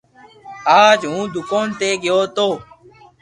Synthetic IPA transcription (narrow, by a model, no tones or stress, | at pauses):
aːd͡ʒɦũːd̪ʊkoːnt̪eːɡɪjoːt̪oː